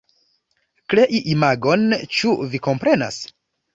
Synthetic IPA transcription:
kle̞ʔiʔimaɡo̞nt͡ʃuviko̞mpɾe̞na̰s

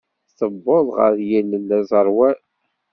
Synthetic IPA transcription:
θəbːoðˤʁə̰ɾjilənːæzˤəɾˤwæ

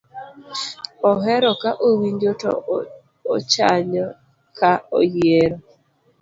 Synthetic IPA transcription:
ɔɦɛɾɔkaʔowiɲd͡ʒotɔ̰ː | t͡ʃaɲɔ | kaɔjjeɾɔ

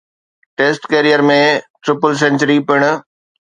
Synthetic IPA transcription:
ʈeːsʈkeːɾijəɾmẽʈɾɪpəls̬ɛ̃ɲt͡ɕəɾipɪɽ̃

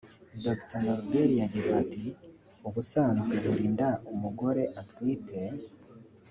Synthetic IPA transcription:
doktanoɾbeɾijaɟizati | uβusaːnzɡe̞βuɾiːndaumuɡo̞ɾe̞ʔatwiːte̞

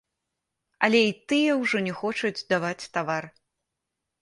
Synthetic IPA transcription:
ɐ̰lʲɛit̪ɨjɛwʐɔnʲɛxɔt͡ʂud͡zʲd̪avat͡sʲt̪avar

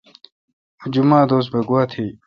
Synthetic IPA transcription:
ud͡ʑumaːd̪oːs̬t̪̚bɐɡwaːt̪ʰi

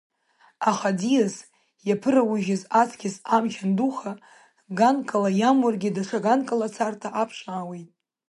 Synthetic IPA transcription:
aχadijas | japʰɨrawuʒɪzat͡sʰkʲɪsamt͡ʃʰanduχa | ɡankʼalajamwarɡʲɪdaʂʰaɡankʼalat͡sʰartʰaʔapʰʂaːwejtʼ

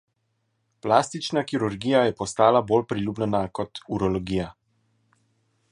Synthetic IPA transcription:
plaːst̪it͡ʃnakiɾuɾɡijajɛpɔst̪aːlaboːlpɾilʲuːbnɛnakɔt̪uɾɔlɔɡija

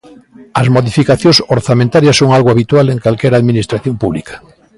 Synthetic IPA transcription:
ɐzmoðifikaθjõŋsoɾθamẽnt̪aɾjɐsːoŋalɣoaβit̪waleŋkalkɛɾaðminist̪ɾaθjompuβlikʰḁ

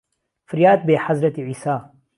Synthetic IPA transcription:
fɪɾjaːd̪̚beːħɐzɾɐt̪iʕiːsaː

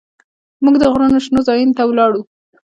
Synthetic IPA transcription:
muɡd̪əɣɾonoʃnozɑjunt̪awlɑɽu

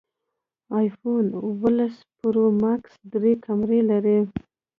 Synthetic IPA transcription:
ɑjfonʊwəlaspʊɾomaksd̪ɾekʰamɾelaɾi

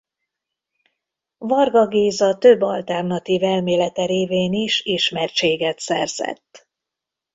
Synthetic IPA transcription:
vɒrɡɒɡeːzɒt̪øbːɒlt̪ɛrnɒt̪iːvɛlmeːlɛt̪ɛɾeːveːniʃiʃmɛrt͡ʃeːɡɛt̪sɛrz̥ɛ̰t̪ː

